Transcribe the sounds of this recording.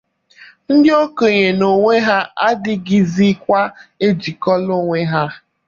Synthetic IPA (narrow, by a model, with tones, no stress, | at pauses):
n̩˦dɪ˦o˦ko˨ɲe˨no˨ŋʷe˦ɦa˦a˦dɪ˦ɡi˦zi˦kʷa˦e˦d͡ʒi˨kɔ˦lo˦ŋʷe˦ɦa˦